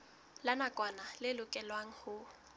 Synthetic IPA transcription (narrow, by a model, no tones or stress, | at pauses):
lanakʼwanalɪlʊkʼɛlwaŋ̩hʊ